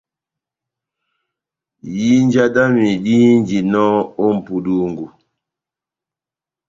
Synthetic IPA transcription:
ji˦n˦d͡ʒa˦da˦mi˨di˦hi˦nd͡ʒi˨nɔ˦o˦m̩˨pu˨du˦ŋɡu˨

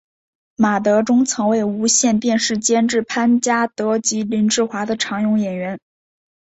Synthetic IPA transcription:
ma˨˩t̪̬ɤ˧˥ʈ͡ʂʊ˥ŋt͡sʰɤ˧˥ŋwe˥˩ɪu˧˥ɕjɛ˥˧nt̪jɛ˥˧nʂɻ̩˥˩t͡ɕjɛ˥nʈ͡ʂɻ̩˥˩pʰa˥nt͡ɕja˥t̪ɤ˧˥t͡ɕi˧˥li˧˥nʈ͡ʂɻ̩˥˩xwa˧˥d̪ə˧ʈ͡ʂʰɑ˧˥ŋjʊ˧˥ŋjɛ˨˩nɥɛ˧˥n

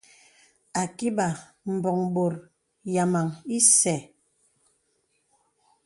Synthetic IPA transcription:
a˨ki˦ba˨ | m̩˨bɔ˨ŋɓo˨ɾ | ja˨ma˨ŋi˦sɛ˨

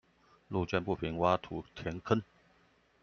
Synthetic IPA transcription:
lu˥˧t͡ɕɛ˥˧˨npu˥˨˩pʰi˧˥nwa˥t̪ʰu˧˥˦t̪ʰjɛ˧˥nkʰə˥n

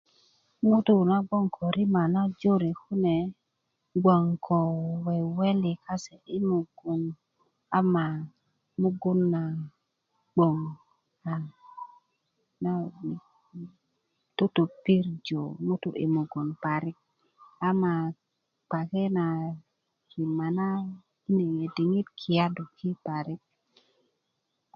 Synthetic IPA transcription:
mu˦t̪u˦na˦ɡo˦ŋkʰo˨ɾi˦ma˨na˦d͡ʒo˦ɾe˨ku˦ne˨ | ɡwa˨ŋkʰo˨we˨we˦li˨ka˦se˨i˦mu˨ɡu˨n | a˦ma˨ | mu˦ɡu˦nːa˨ | ɡ͡bo˨ŋ | ka˨ | na˦ni˨ | tu˦t̪u˨pi˦ɾd͡ʒo˨mu˦t̪u˦ʔḭ˨mu˨ɡu˨npa˨ɾi˦k̚ | a˦ma˨ | k͡pa˨ke˦na˨ | ki˨ma˨na˦ | i˦ne˨ŋe˨di˨ŋi˦tkʰi˨ja˦du˨kʰi˦pa˨ɾi˦k̚

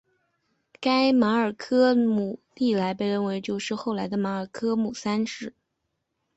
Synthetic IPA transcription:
ka˥ɪma˧˥ə˞˨˩kʰɤ˥mu˨˩t̪i˥˩la˧˥ɪp̬e˥˧ɪɻə˥˩nwe˧˥ɪt͡ɕjo˥˧ʊʂɻ̩˥˧xo˥˩ʊla˧˥ɪd̪ə˧ma˧˥ə˞˨˩kʰɤ˥mu˨˩sa˥nʂɻ̩˥˩

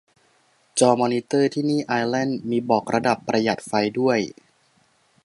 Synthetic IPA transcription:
t͡ɕɔː˧mɔː˧ni˦˥t̪ɤː˥˩t̪ʰiː˥˩niː˥˩ʔaː˧jlɛ˥˩nmiː˧bɔː˨˩k̚ɾa˧da˨˩pːɾa˧ja˨˩t̪̚fa˧jdu˥˩əj

